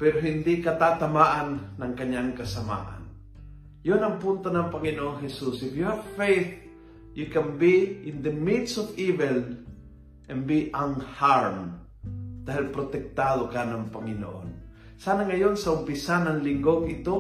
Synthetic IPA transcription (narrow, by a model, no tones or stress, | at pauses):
pɛɾoɦɪnd̪ɪkɐt̪at̪ɐmaːʔanːɐŋkɐɲaŋkɐsɐma̰ʔa̰n | jonɐŋpʊnt̪onɐŋpɐŋɪnoʔoŋɦɛsusɪfjuhavfejθ | jukɛnbiɪ̃nd̪əmid̪sɔvivɛl | ʔɛ̃nbiʔanhaɹm | d̪aːɦɪlpɾot̪ɛk̚t̪ad̪okanɐŋpɐŋɪno̰ʔo̰n | saːnaŋɐjonsɐʔʊmpɪsanɐŋlɪŋɡoɡɪt̪o